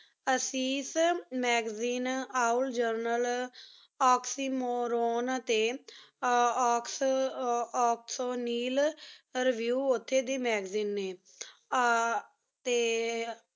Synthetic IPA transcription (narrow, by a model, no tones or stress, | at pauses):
əsiːsmɛːɡziːnaːʊld͡ʒəɾnəl | ɔːksiːmoːɾoːnt̪eː | ɔːks | ɔːksoːniːlɾɪʋjuːʊt̪ʰːeːd̪eːmɛːɡziːnːeː | t̪eː